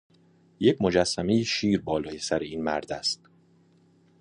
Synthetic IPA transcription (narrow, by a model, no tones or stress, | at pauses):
jecʰmo̞d͡ʒæsːæme̞jeʃiːɾbɒːlɒːjesæɾeiːnmæɾd̪æst̪̚